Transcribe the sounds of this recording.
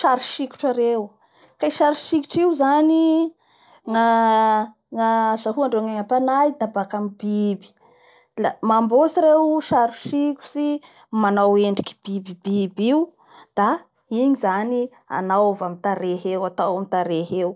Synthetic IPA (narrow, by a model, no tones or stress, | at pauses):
ʃaɾuʃiku̥ʈ͡ʂaɾew | kaiʃaɾuʃiku̥ʈ͡ʂiwzani | ŋa | ŋazaɦuaɳɖ͡ʐoŋaŋapanaid̪abakamibibi̥ | lamambosiɾewʃaɾuʃikʲu̥si | manaweɳɖ͡ʐiki̥b̥ibibibiw | d̪̥a | iɲizani | a̰nawvamit̪aɾeɦewat̪awamit̪aɾeɦew